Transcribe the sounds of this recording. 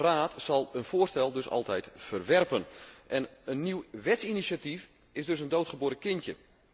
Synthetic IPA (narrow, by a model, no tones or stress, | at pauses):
raːtsɑlˠənv̥oːrstɛlˠdɵsɑ̰lˠtɛjtfərʋɛrpənʔɛnənːiwʋɛtsinisatif | ɪzdɵsəndowtχəboːɾəkɪntjə̰